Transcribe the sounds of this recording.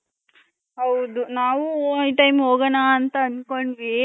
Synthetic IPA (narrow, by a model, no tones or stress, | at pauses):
ɦɐwd̪unaːʋuiʈɐjmoːɡɐnaːnt̪ɐːnkoɳɖʋi